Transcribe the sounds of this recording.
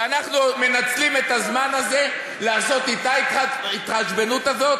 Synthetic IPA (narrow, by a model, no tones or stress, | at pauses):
anaχnume̞nat͡slime̞t̪azmanaze̞ | laːso̞t̪it̪aait̪ʁaʃbe̞nut̪azo̞t̪̚